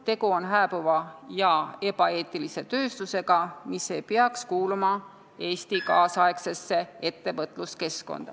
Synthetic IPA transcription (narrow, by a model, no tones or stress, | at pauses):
t̪e̞ɡ̥uo̞nɦæːb̥uvɑjɑe̞b̥ɑe̞ːt̪ːˑilise̞t̪ø̞ːst̪use̞ɡ̥ɑmisːejpeɑkskuːlumɑ | e̞ːst̪ikɑːsɑekse̞sːe̞et̪ːe̞vɤt̪ːˑluske̞sko̞̰nd̪̥ɑ̰